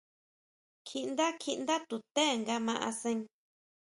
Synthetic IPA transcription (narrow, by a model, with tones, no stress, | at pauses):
kʰi˧ʔnd̪a˦kʰi˧ʔnd̪a˦t̪u˧t̪e˦˨ŋɡa˦mã˧ʔa̰˧sẽ˧ŋ